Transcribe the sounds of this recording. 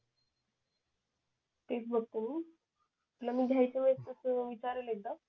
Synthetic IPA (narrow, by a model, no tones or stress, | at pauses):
t̪et͡sbʱək̚t̪uːn | aplamiːɡ̪ʱjajt͡ɕeʋest̪əsəʋit͡ɕaɾəlet̪a